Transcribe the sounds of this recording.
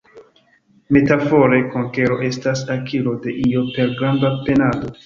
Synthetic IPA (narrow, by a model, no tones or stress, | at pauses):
me̞tafo̞ɾe̞ko̞ŋke̞ɾo̞ʔe̞stasakʰilo̞de̞ʔio̞pe̞ɾɡɾandape̞nado̞